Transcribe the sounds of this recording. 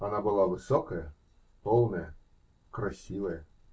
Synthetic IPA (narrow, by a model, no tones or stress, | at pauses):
ɐnabɨlˠavɨsɔkəjə | polˠnəjə | krɐsʲivəjə